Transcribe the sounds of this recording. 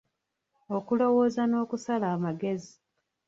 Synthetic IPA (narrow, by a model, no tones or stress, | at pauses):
o̞kulo̞woːzano̞ːkusalaːmaɡe̞zi